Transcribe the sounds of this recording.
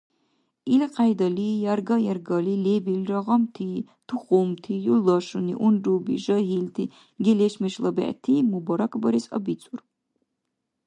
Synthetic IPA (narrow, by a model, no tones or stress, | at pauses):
ilqʰajd̪ɐlijarɡɐjarɡɐlilebilrɐʁɐmtʰi | t̪ʰuχumt̪ʰijulɐʂunḭʔundubḭʒɐɦilt̪ʰi | ɡʲɛlɛʃmɛʃlɐbɛ̰ʔtʰimubɔɾakʰʼbɐɾisɐ̰bit͡sʼur